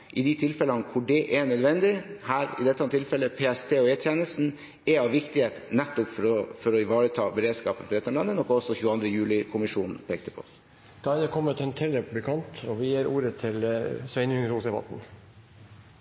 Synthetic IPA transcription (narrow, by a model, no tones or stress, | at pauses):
ʔɪd̪ɪt̪ʰɪlfɛlɑnəkʰʊɖɛʔɛɳœd̪ʋɛnd̪ɪhæːɾɪ̰d̪ɛt̪ːɑnt̪ʰɪlfɛlːəpʰeːɛst̪ʰeːɔɛːt̪ʰjɛːnəlsn̩ | ɛɑʋʋɪkt̪ɪeːt̪nɛt̪ːʊpfɔɾɔfɔɾɔɪʋɑːɾət̪ʰɑːbəɾeːd̪skɑːpənfɔd̪ɛt̪ːɔmlɑnːənɔkːɔsɔçʉːɑnd̪ɾəjʉːlɪkʰʊmɪʂuːnn̩pʰeːk̚t̪əpʰɔ̰s | d̪̥ɑːɑd̪ɛkʰɔmːət̪ʰɛnt̪ʰɛlɛpbɪkʰɑnt̪ɔʋɪjeːɾuːɾət̪ʰɪlsʋɛɪnʉŋəɾuːsd̪ɛbɑ̰t̪n̩